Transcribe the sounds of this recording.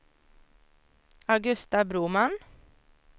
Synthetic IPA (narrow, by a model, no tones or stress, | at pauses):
ɑɡʉst̪ɑbɾuːmɑn